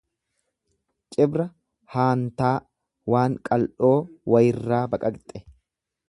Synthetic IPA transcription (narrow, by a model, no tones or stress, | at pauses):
t͡ʃʼɪbɾɐ | haːnt̪aː | waːŋkʼɐlʔo̞ːwɐjɪrːaːbɐkʼɐkt̪ʼɛ